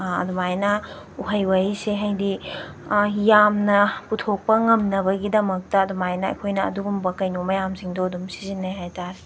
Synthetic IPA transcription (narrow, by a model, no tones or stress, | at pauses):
ɐ̰dumajnɐ | uɦɐjwɐjseɦɐjdi | jamnɐputʰok̚pɐŋɐmnɐβɐɡidɐmɐk̚tɐːdumajnɐɐ̰jkʰojnɐɐ̰duɡumbɐkɐjnumɐjamsiŋdodumsizinːɐjɦajtaɾe